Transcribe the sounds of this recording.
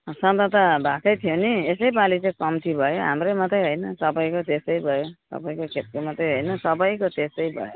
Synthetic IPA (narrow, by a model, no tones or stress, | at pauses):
sʌ̃nt̪ʌt̪ʌbʱakʌjt̪ʰijoniesʌjbalit͡sãjkʌmt̪ʰibʱʌjoɦa̰mremʌt̪ʌjɦojnʌsʌbʌjkot̪esʌjbʱʌjosʌ̰bʌjkokʰet̪̚komʌt̪ʌjɦojnʌsʌbʌjkot̪esʌjbʱʌ̰jo